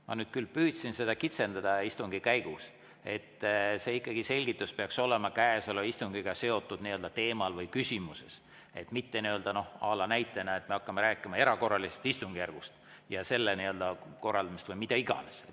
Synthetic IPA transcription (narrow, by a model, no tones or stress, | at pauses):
mɑ̰nyːd̪̥̚kylːpyːd̪̥sinse̞d̪ɑkit̪se̞nd̪ɑd̪̥ɑist̪uŋɡ̥ikæjɡ̥us | e̞t̪ːse̞ːikːˑɑɡ̥ise̞lʲɡ̥it̪ˑːuspeɑkso̞lemɑkæeso̞leist̪uŋɡ̥iɡ̥ɑse̞o̞t̪ːˑud̪̥niø̞ld̪ɑt̪e̞ːmɑlvɤjkysʲimuse̞̰s | e̞t̪ːmit̪ːe̞niø̞ld̪ɑno̞hɑ̰ːlɑnæjt̪ːˑenɑe̞t̪ːˑme̞ɑkːɑmeɾæːkːˑimɑe̞ɾɑko̞rːɑlisest̪ist̪uŋɡijærɡ̥ust̪ | jɑse̞lːeniø̞ld̪̥ɑko̞rːɑld̪ɑmist̪vɤjmid̪̥ɑiɡ̥ɑ̰nes